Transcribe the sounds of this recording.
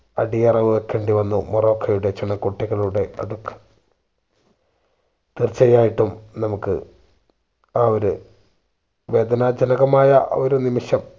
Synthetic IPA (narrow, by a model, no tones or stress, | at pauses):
ɐɽijɐrɐʋuekːeːɳɖiʋɐnːumuro̞ːkʰːɐjuɽe̞t͡ɕiɳːɐkuʈːiɣɐɭuɽe̞ɐ̰ðukːe̥ | t̪irt͡ɕːɐjaːjiʈːumnɐmukːɨ̰ | aːoɾu | ʋe̞ːd̪ɐnɐd͡ʑɐnɐɣɐmaːjɐ̰oɾunimiʂɐm